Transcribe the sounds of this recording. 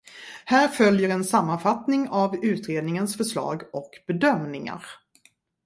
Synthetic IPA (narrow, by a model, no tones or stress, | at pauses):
hæːɾfœljəɾɛnsamːanfat̪nɪŋavʉ̟ːt̪ɾeːd̪nɪŋənsfœʂɭɑ̰ːɡɔkb̥ɛd̪œmnɪŋa̰ɾ